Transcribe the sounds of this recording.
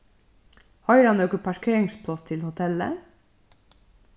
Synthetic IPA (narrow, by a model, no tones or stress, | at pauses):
hɑʏɾɑnøːkəpʰæʃkʰɾeɪŋsp̪ʰɔst̪ʰɪlhʊt̪ʰɛlə̰